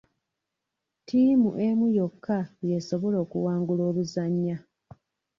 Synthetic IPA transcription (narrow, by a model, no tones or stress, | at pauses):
tʰiːmṵʔe̞mujo̞kʰːaje̞so̞βo̞lo̞ːkṵwaːŋɡulo̞ːβuzaɲːa